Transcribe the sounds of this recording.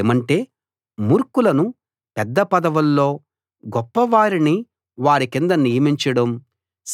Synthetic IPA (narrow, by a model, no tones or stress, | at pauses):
mɐɳʈe̞ː | muːɾkulɐnu | pɛd̪ːɐpɐd̪ɐʋulːo̞ː | ɡɔpːɐʋaːɾini | ʋaːɾikind̪ɐnijɐmiɲt͡ʃɐɽɐm | s